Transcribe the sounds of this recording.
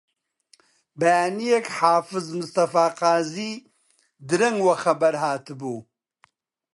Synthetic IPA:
bajaːnijekħaːfɨzmɨst̪ɐfaːqaːzi | d̪ɨɾɐŋwɐxɐbɐɾɦaːt̪ʰɨbu

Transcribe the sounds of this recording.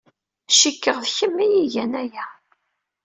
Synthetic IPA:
ʃikːəʁðçəmːijiʝænæjæ

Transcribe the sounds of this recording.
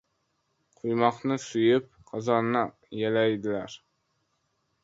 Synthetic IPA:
qʰʊjmɒqnɪsʊjɪp̚ | qʰɑzɒnːa | jalajd̪ɪlaɾ

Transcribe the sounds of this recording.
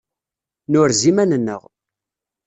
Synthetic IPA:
nʊɾzimænənːə̰ʁ

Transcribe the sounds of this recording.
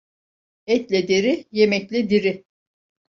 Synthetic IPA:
ɛt̪lʲɛd̪eɾijemɛclʲɛd̪iɾiɪ

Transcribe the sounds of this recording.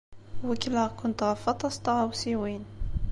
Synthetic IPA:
wəkːləʁkʊnt̪ʁɑfɑt̪ˤɑst̪ɑʁawsiwin

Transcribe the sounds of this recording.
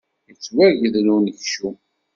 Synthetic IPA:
jət͡sːwæɾʝəðlunəçʃu

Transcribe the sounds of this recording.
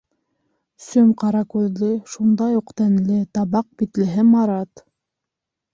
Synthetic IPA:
sɵmqɑɾɑkuld̪ɘʃund̪ɑjuqt̪ænlɘt̪ɑβɑq̚bit̪lɘ̆ɦɘmɑɾɑt̪

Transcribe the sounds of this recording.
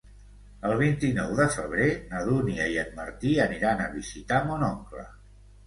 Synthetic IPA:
əlˠβ̞int̪inɔwðəfəβ̞ɾenəðuniəiənməɾt̪iəniɾanəβizit̪amunɔŋklə̰

